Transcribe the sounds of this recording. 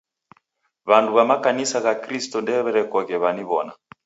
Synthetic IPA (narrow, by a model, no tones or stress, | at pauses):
βanduβamakanisaɣakɾistɔndɛβɛɾɛkɔɣɛβaniβɔna̰